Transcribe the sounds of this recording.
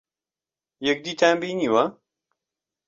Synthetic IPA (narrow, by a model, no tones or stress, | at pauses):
jɛk̚d̪iːt̪ʰambiːniwa